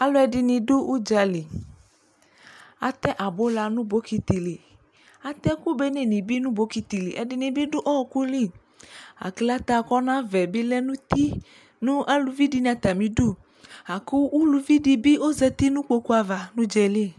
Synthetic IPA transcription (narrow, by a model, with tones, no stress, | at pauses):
a˦lo˦ɛ˨di˨nĩ˨du˦ʔu˦d͡ʒa˨li˨ | a˨t̪ɛ˦ʔa˨bo˦la˨nũ˦bo˨˦ki˨t̪i˨li˨ | a˨t̪ɛ˦ku˦be˦ne˦nĩ˨bi˦nũ˦bo˦ki˨t̪i˨lḭ˨ʔɛ˨di˨nĩ˨bi˦ɖo˦ʔɔ˦˨ku˦li˦˨ | a̰˨ki˨la˦t̪a˨kɔ˦nã˦vɛ˨bi˦lɛ˦nũ˦t̪i˦ | nũ˦ʔa˦lu˨vi˦di˦n˨ã˨t̪a˨mĩ˨du˦˨ | a˨ku˦u˦lu˨vi˦di˨bi˦o˦zɛ˦t̪i˦nũ˦k͡po˦ku˦a˨va˨nũ˦d͡ʒɛ˨li˦˨